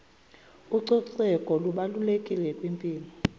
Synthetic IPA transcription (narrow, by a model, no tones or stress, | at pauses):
uǀɔǀɛkʼɔluɓalulekʼilɛkʼwimpʼiːlɔ